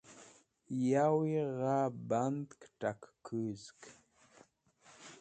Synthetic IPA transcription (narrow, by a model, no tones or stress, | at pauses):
jawiʁaband̪kʈ͡ʂakkʰɨzk